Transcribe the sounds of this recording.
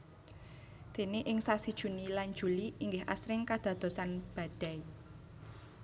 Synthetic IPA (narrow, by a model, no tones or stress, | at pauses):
d̪̥e̤neʔɪŋsasid̥ʒ̥ṳnilan̥d͡ʒ̥ṳliiŋɡɪɦa̰sɾɪŋkad̪̥ä̤d̪̥o̤sanb̥a̤d̪̥a̤i